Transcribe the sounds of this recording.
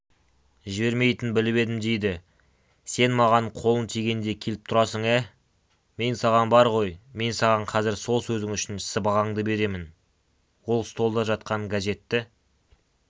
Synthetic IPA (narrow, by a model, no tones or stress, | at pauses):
ʒɪbe̞ɾme̞jt̪ɪnbɪlɪβe̞d̪ɪmd̪e̞jd̪ɪ | se̞nmɑʁɑɴqʰo̞lˠənt̪ʰeɡʲe̞nd̪e̞kʲʰe̞lɪp̚t̪ʰʊɾɑsəɴæ | me̞nsɑʁɑnbɑɾʁo̞jme̞nsɑʁɑɴqʰɑzɪɾso̞lˠsɵzɪŋʏʃɪnɪ̥sɪbɑʁɑɴd̪əbe̞ɾe̞mɪn | wo̞lˠst̪ʰo̞lˠd̪ɑʒɑt̪̚qɑɴɡaʒe̞t̪ːɪ